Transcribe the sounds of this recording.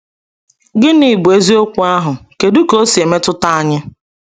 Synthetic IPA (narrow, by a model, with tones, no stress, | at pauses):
ɡɪ˦ni˨bu˨e˦zi˦o˦kʷu˦a˦ɦʊ˨ke˨du˦ko˦si˨e˨me˦tʊ˦ta˦a˦ɲɪ˦